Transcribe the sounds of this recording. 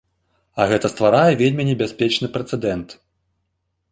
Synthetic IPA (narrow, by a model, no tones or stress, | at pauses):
ɐɣɛt̪ɐst̪vaɾajɛvʲelʲmʲinʲɛbʲasʲpʲɛt͡ʂnɨpɾɛt̪sɛd̪ɛnt̪